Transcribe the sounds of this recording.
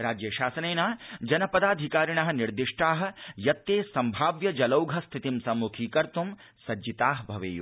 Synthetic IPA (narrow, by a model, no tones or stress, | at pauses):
ɾaːd͡ʒjɐʃaːsɐneːnaːd͡ʒɐnɐpɐd̪aːd̪ʱikaːɾiɳɐɦɐ̆niɾd̪iʂʈaːɦɐ̆jɐt̪ːeːsɐmbʱaːʋjɐd͡ʒɐlɐwɡʱɐst̪ʰit̪imsɐmːukʰiːkɐɾt̪um | sɐd͡ʒit̪aːɦbʱɐʋḛːjṵ